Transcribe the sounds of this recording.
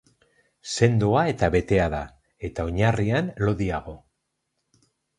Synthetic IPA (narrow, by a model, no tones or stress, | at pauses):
se̞nd̪oae̞t̪aβe̞t̪e̞aða | e̞t̪ao̞ɲarianlo̞ðiaɣ̞o̞